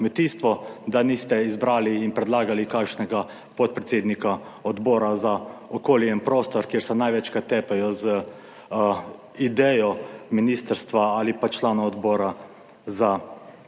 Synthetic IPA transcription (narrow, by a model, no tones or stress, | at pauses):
kmɛt̪iːst̪ʋɔd̪anist̪ɛizbɾaːliːnpɾɛd̪laːɡalikakʃnɛɡa | pɔt̪̚pɾɛt̪seːd̪nika | ɔd̪boːɾazaɔkoːljɛinpɾoːst̪ɔɾkjeɾsɛnajʋɛt͡ʃkat̪ːɛːpɛjɔzə | id̪ɛjɔminiːst̪əɾst̪ʋaaːlipat͡ʃlaːnɔɔd̪bɔːɾa | za